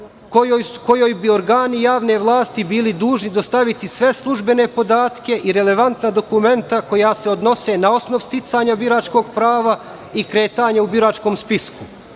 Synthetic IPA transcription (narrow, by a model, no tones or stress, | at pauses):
kojojko̞jojbioɾɡaːnijaːʋne̞ʋlˠaːst̪ibiːlid̪uːʒnid̪ost̪aʋit̪isʋe̞slˠuʒbe̞ne̞po̞d̪aːt̪ke̞ʔiɾe̞le̞ʋant̪nad̪o̞kume̞nt̪ako̞jaːseod̪no̞se̞nao̞sno̞ʋst̪it̪saɲabiɾaːt͡ʃko̞ːɡpɾaːʋa | ikɾe̞ːt̪aːɲaubiɾaːt͡ʃko̞ːmspisku